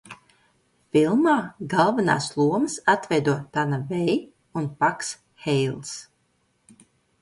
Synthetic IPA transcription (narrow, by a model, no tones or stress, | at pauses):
filˠmaːɡalˠvana̰ːslˠuɔmsat̪vɛjd̪uɔt̪anavɛj | unpaks | hɛjlˠs